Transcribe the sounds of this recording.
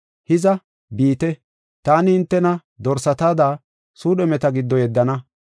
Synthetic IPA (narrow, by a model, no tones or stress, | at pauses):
hɪzɐ | biːt̪ɛ | t̪aːnɪhɪnt̪ːɛnɐ | d̪ɔɾsɐt̪aːd̪aː | suːɗɛmɛt̪ɐɡɪd̪ːɔjɛd̪ːɐnɐ